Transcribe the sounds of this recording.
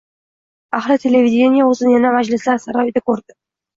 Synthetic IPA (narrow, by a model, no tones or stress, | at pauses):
aχɾɪt̪ʰe̞le̞vʲid̪ʲe̞nijaɵzɪnjanamad͡ʒlɪslaɾsaɾɒjɪd̪akʰɵɾd̪ɪ